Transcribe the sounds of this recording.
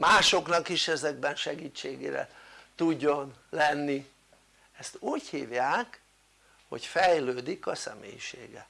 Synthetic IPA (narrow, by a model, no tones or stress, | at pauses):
maːʃo̞knɒkiʃɛzɛɡbɛnʃɛɡiːt͡ʃːeːɡḛːɾɛ̰t̪uɟːo̞nlɛnːi | ɛst̪uːchḭːvjaːk | ho̞̰cfɛjløːd̪ikɒsɛ̰mḛːjḭʃḛːɡɛ